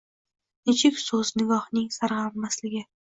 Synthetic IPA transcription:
nɪt͡ʃʰɪkʲsɵznɪɡʲɒhnɪŋsaɾʁaɾmaslɪɡʲɪ

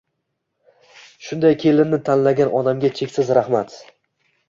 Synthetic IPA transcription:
ʃʊnd̪ajkʲʰe̞lɪnnɪt̪ʰanlaɡʲanʔɒd̪amɡʲat͡ʃʰe̞kʲsɪzɾahmat̪

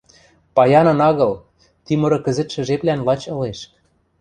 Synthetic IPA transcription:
pɑjɑnɤ̆nɑɣɤ̆l | t̪imɤ̆ɾɤ̆kɘ̆zɘ̆t̪ʃɘ̆ʒeplænlɑt͡ɕɤ̆leʃk

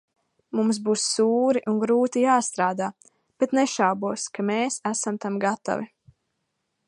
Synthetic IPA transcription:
mums̬buːsːuːɾiʔuŋɡɾuːt̪ijaːst̪ɾaːd̪aː | b̥et̪nɛʃawbuɔskameːsæsamt̪amɡat̪a̰vi

